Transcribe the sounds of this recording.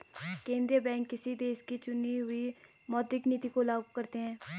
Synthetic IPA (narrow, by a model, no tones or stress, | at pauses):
kẽːnd̪ɾijəbɛ̃ːŋkːɪsid̪eːʃkit͡ʃʊniɦʊi | mɔːd̪ɪkniːt̪ikolaːɡokːəɾt̪eɦɛ̃ː